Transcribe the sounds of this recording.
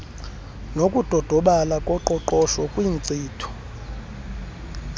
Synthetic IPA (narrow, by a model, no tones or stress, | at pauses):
nokʼud̥ʱɔd̥ʱɔɓalakʼɔǃɔǃɔʃɔkʼwiːnt͡siːtʰu̥